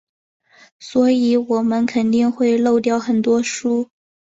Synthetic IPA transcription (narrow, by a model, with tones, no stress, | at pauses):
swɔ˧˥i˧˥wɔ˨˩mə˧˦nkʰə˨˩nt̪i˥˧ŋxwe˥˧ɪlo˥˧ʊt̪jɑ˥˩ʊxə˨˩nt̪wɔ˥ʂu˥